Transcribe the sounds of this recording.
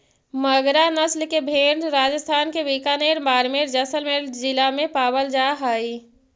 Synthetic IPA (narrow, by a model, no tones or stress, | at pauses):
məɡɾanəslkebʱeːɖɾaːd͡ʒəst̪ʰaːnkeʋikaneːɾmaːɾmeɾd͡ʒəsəlmeɾd͡ʒɪlamẽpaːbəld͡ʒaɦaːi